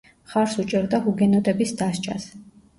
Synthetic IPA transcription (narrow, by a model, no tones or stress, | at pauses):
χaɾsut͡ʃʼɛɾd̪ahuɡɛnɔt̪ʼɛbisd̪ast͡ʃʼa̰s